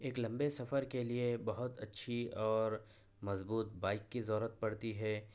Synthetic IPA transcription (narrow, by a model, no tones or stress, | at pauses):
eːklɐ̃mbesɐfəɾkeliebɐɦʊt̪ɐtːʃʰiɔːɾ | mɐzbuːt̪baːɪkːizɔːɾət̪̚pɐɽt̪iɦɛː